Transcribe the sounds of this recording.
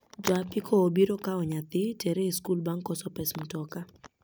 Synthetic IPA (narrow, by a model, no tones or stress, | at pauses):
d͡ʒapɪkʰɔobiɾɔkaɔɲat̪ɪtɛɾeiskulbaŋkɔsɔpɛsmutɔka